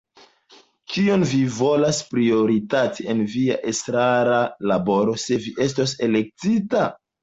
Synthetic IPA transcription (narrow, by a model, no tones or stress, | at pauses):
kio̞nvivo̞laspɾio̞ɾitatie̞nvia̰ʔestɾaɾalabo̞ɾo̞se̞viʔe̞s̬tos̬e̞le̞k̚tita